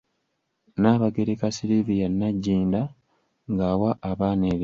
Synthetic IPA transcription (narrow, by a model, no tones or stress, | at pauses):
naːβaɡeɾekasilivijanːaɟːiːnda | ŋɡaːwaʔaβaːneːβi